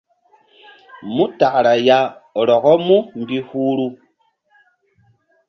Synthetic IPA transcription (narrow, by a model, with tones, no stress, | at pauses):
mu˦ta˨ɾa˨ja˨ɔ˨ɾɔ˨kɔ˦mu˦m˨bi˦huː˦ɾu˦